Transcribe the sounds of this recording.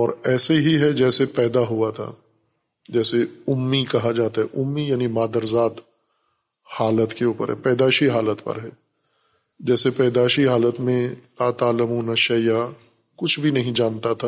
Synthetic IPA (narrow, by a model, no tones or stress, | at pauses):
ɔːɾɛːseɦiɦɛd͡ʒɛːsepɛːd̪aɦuat̪ʰa̰ | d͡ʒɛːseʊmːikɐɦad͡ʒaːt̪aɦɛʔʊmːijaːnimaːd̪əɾzaːt̪ | haːlət̪keuːpə̰ɾɦɛ̰pɛːd̪aːʃiɦaːlət̪pɐ̰ɾɦɛː | d͡ʒɛːsepɛːd̪aːʃiɦaːlət̪mẽlaːt̪aːləmuːnaʃɐja | kʊt͡ʃʰbʱinɐɦĩd͡ʒaːnt̪at̪ʰa